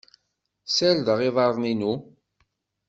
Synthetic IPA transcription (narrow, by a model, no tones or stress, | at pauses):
sæld̪əʁɪðˤɑɾˤninu